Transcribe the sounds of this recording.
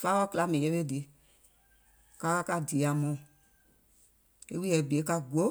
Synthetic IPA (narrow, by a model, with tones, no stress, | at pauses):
faː˦wɔ˦kɨ˦la˧˦mɛ̃˨jɛ˧˦e˦di˨˦ | ka˧ka˧˦ka˧di˨a˨mɔ̃˨ | e˦wi˦jɛ˨bi˨e˨˦ka˧ɡo˦